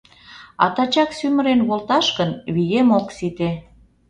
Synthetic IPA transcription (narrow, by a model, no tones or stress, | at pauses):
ɑ̰t̪ɑt͡ɕɑksymə̆ɾenβolt̪ɑʃkənβijemoksit̪e